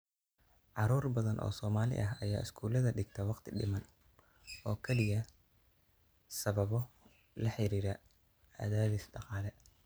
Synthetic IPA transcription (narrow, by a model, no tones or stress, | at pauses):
ʕɑɾuːrbɐðɐnʔɔ̰ːsɔːmaːlɪ̰ʔɐɦɐjaːɪskʰuːlɐðɐɖɪɡt̪ʰɐwɑqt̪ʰɪɖɪ̰mɐn | ɔːkʰɛlɪjɐ | sɐβɐβɔ | lɐħɪɾiːɾɐ | ɐ̰ðaːðɪsɖɑqɑːlɛ